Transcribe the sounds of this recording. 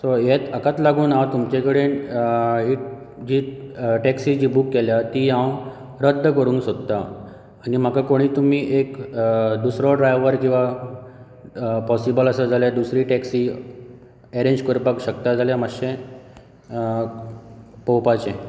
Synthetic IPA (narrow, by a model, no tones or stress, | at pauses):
sɔjet̪əkat̪laɡuːnawt̪umt͡ɕekəɽen | iʈ | d͡ʑiːʈɛksid͡ʑiːbuːkːeljat̪iːɦãw | ɾəd̪ʱːəkəɾũːŋksod̪t̪a | anim̤əkakoɽ̃iːt̪um̤iːʔekd̪usɾɔɖɾajʋʋəɾkĩw̃ʋa | pɔsibələsəd͡zʱaled̪usɾiːʈɛksi | eɾẽɲd͡ʑkuɾpəkɕək̚t̪ad͡zʱaljaməɕẽ | powpat͡ɕẽ